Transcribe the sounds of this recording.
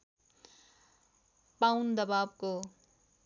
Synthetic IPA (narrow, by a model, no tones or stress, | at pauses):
pawnd̪ʌbabko